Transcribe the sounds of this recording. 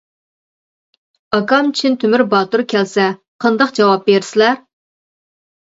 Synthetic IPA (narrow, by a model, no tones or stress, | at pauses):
ɑkɑmt͡ʃʰint̪ʰymyɾbɑːt̪uɾkʲɛlsɛ | qʰɑnd̪ɑqd͡ʒɑwɑp̚beɾsɪlæɾ